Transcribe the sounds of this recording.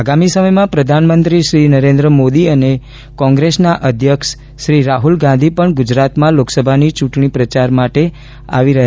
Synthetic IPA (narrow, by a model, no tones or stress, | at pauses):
aɡamisəməjmãpɾəd̪ʱanmənt̪ɾiʃɾinəɾẽnd̪ɾəmod̪iəne | kɔ̃ŋɡɾesnaʔəd̪ʱjəkʃ | ʃɾiɾaɦulɡãnd̪ʱipəɳɡʊd͡ʒɾat̪mãloksəbʱanit͡ʃũʈɳipɾət͡ʃaɾmaʈe | a̰ʋiɾəɦ